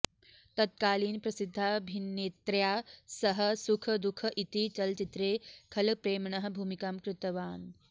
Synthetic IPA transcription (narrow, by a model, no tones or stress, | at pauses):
t̪ɐt̪̚kaːliːnpɾɐsid̪ʱːaːbʱinːeːt̪ɾjaːsɐɦɐ̆sukʰəd̪ukʰəʔit̪it͡ʃɐlt͡ʃit̪ɾeːkʰɐlpɾeːmɳɐɦɐ̆bʱuːmikaːmkɾɪt̪ɐʋaːn